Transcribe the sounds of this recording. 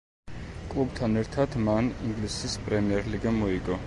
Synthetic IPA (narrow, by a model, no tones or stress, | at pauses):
kʼlˠub̚t̪ʰanɛɾt̪ʰad̪maniŋɡlisispʼɾɛmiɛɾliɡamɔiɡɔ